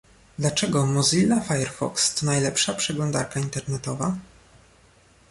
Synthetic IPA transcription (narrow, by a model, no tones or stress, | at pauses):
d̪lat͡ʂɛɡɔmɔzilːafajɛɾfɔ̰kst̪najlɛpʂapʂɛɡlɔnd̪a̰ɾkaint̪ɛɾnɛt̪ɔva